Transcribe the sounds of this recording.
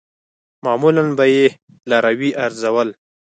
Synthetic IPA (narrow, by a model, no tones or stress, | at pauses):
mɑmulanbaje | laɾawiʔaɾzawəl